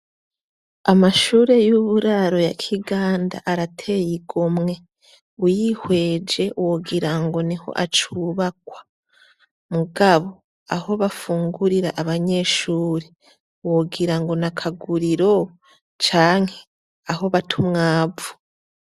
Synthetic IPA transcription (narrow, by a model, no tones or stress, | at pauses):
amaʃuːɾe̞juβuɾaɾo̞ja̰kʰiɡaːnda̰ʔaɾatʰe̞jiɡomŋe̞ | ujihwe̞ːd͡ʒe̞woɡiɾaŋɡo̞niho̞̰ʔat͡ʃuːβakwḁ | muɡaβo̞ | aho̞βafuːŋɡuɾiɾaʔːβaɲe̞ːʃuːɾe | woɡiɾaŋɡo̞nakʰaɡuɾiɾo̞ | t͡ʃaːŋ̥he̞ | aho̞βatʰumŋaːvu̥